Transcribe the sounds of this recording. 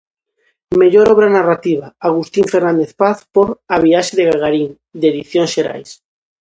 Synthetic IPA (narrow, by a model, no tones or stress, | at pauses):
me̞ʎoɾoβ̞ɾanarat̪iβ̞aaɣ̞ust̪iɱfeɾnãnd̪eθpaθpoɾaβ̞iaʃeðeɣaɣaɾiŋ | d̪eðiθjõnsʃeɾa̰js